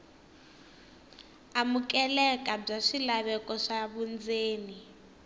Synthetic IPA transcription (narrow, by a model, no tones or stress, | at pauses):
amukʼɛlɛkʼab͡ʐaʂilaβɛkʼɔʂaβund͡zeːni